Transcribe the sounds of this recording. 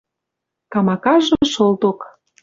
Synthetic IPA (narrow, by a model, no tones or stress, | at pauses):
kɑmɑkɑʒɤʃolt̪ok